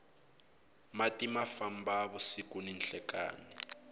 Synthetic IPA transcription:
matʼimafambaβɔsik̬ʼuninɬɛka̰ːni

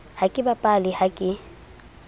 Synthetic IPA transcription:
hakʼɪbapʼalɪhakʼɪ

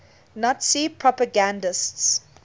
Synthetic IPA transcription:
nɔtsipʰɹɔpəɡãndəsts

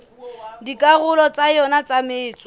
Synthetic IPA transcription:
dikʼaɣʊlɔt͡sʼajɔnat͡samɪːt͡sʼɔ

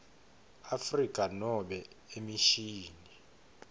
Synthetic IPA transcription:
afrikʼanɔɓɛ | emiʃiːni

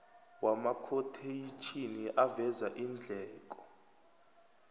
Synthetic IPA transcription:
wamakʰotʰejit͡ʃʰiniʔavɛzaʔind͡ɮʱɛːk̬ʼɔ̥

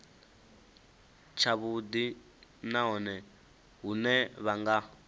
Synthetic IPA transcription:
t͡ʃʰaβud̪i | naɦɔnɛ | ɦunɛβaŋɡa

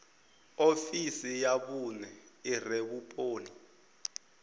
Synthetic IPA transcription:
ofisijaɓunɛireɓupʼoːni

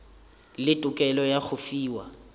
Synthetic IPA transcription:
lɪtʼʊkʼɛlɔjaχʊfiːwa

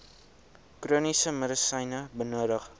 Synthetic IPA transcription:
kruːnisəməɾəsɐjnəbənuəɾəχ

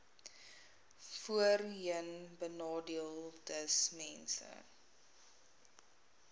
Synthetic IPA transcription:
fuərɦənbənɑːdiəlˠdəsmɛnsə̰

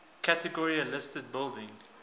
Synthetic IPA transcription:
kʰætəɡɔɹiəlɪstəd̚bɪlˠdɪ̃ŋ

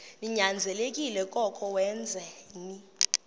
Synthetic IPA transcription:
niɲand͡zʱɛlekʼilɛkʼɔkʰʼɔwɛnd͡zʱɛni

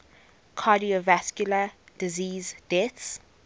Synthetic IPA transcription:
kʰaːdiovaskjulə | d̥iziːzdɛts

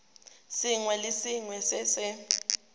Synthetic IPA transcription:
siŋwɛlɪsiŋwɛsɪsɛ

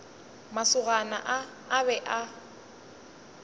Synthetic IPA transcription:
masʊɣana̰ʔaː | βɛʔa

